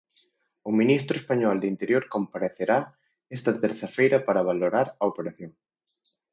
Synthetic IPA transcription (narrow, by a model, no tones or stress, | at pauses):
ʊminist̪ɾʊespaɲɔld̪int̪eɾjoɾkompaɾeθeɾa | ɛst̪ɐt̪eɾθɐfejɾɐpaɾɐβ̞aloɾaɾɐopeɾaθjoŋ